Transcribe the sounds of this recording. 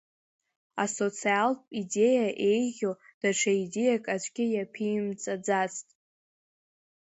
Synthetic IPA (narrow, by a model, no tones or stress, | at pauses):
aso̞t͡sʰialpʼide̞jaʔejʁʲod̥aʈ͡ʂʰaidejakʼad͡ʒʷʼɡʲɪjapʰimt͡sʼad͡zat͡stʼ